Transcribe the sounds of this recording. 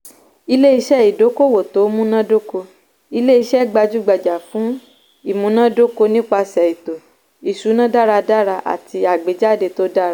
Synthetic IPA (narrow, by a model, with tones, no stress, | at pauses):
i˧le˦i˧ʃɛ˦˨i˨do˨˦ko˦˨wo˨to˨˦mũ˦nã˦do˦ko˧ | i˧le˦i˧ʃɛ˦˨ɡ͡ba˧d͡ʒu˦ɡ͡ba˧d͡ʒa˨fũ˨˦ | i˦˨mũ˨˦nã˦do˦ko˧nĩ˦k͡pa˧sɛ˨i˨to˨ | i˨ʃu˨˦nã˦da˦ɾa˧da˦ɾa˧ʔa̰˨ti˧a˨ɡ͡be˨˦d͡ʒa˦˨de˧to˦da˦ɾa˦